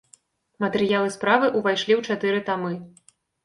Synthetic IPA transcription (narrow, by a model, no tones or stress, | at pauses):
mɐt̪ɛɾɨjalˠɨspɾavɨʔuvajʂlʲiwt͡ʂat̪ɨɾɨt̪amɨ